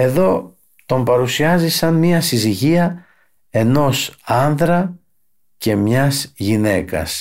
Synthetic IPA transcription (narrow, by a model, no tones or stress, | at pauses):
e̞ðo̞ | t̪o̞mpɐɾusiɐzisɐnmiɐsiziʝiɐ | e̞no̞sɐnðɾɐ | ce̞mɲɐsʝine̞kɐ̰s